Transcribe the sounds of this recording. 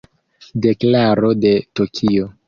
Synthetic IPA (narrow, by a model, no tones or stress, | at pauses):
de̞klaɾo̞de̞to̞kʰio̞